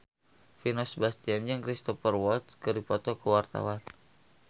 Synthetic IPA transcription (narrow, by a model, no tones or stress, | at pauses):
finɔsbast̪iand͡ʒəŋkɾist̪ɔfərwɔlt̪kəɾipɔt̪ɔkəwart̪a̰wan